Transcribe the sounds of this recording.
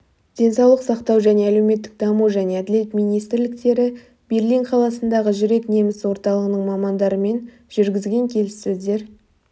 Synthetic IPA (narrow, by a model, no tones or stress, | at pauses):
d̪̥ʲe̞nsɑwlˠəqsɑqt̪ɑwʒæne̞ælewme̞t̪ːɪ̥k̚d̪ɑmuʒæne̞æd̪ɪle̞t̪mijnijst̪ɾlɪk̚t̪e̞ɾɪ | be̞rliɴqʰɑlˠɑsənd̪ɑʁəʒʏɾe̞kne̞mɪswo̞ɾt̪ɑlˠəʁənəɴmɑmɑnd̪ɑɾəme̞n | ʒ̥ʏɾɡʲɪzɡʲe̞ŋkʲʰe̞lɪsːɵzd̪e̞ɾ